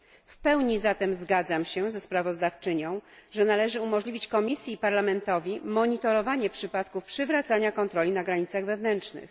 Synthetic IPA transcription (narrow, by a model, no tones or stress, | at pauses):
fpɛwɲizat̪ɛmzɡad̪zamɕɛzɛspɾavɔzd̪aft͡ʂɘɲɔ̃w̃ʐɛnalɛʐɘumɔʐlʲivʲit͡ɕkɔmʲisʲjiːpaɾlamɛnt̪ɔvʲimɔɲit̪ɔɾɔvaɲɛpʂɘpat̪kufpʂɘvɾat̪saɲakɔnt̪ɾɔlʲinaɡɾaɲit̪saɣvɛvnɛnt͡ʂnɘ̰x